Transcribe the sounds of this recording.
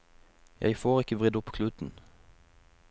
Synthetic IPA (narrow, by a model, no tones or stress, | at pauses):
jʔæ̰ɪfoːʁɪkəʋʁʏd̪ʊpkʰlʉːt̪n̩